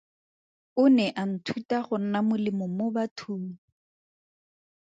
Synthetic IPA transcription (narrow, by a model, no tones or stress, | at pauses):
ʊnɛʔan̩tʰutaχʊn̩namʊlɪmɔmʊbatʰuːŋ̩